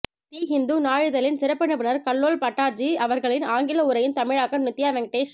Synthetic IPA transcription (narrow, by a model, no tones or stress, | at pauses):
t̪iːɦɪnd̪unaːɻɯðɐlɪnsɪɾɐpːɐɳɯpɪnɐɾkɐɭːoːlpɐʈːaːɾd͡ʒiɐʋɐɾɣɐɭɪnaːŋɡɪlɐʊɾɐjɪnt̪ɐmɪɻaːkːɐmnɪt̪ːjaːʋɛŋɡ̚ʈeːʂ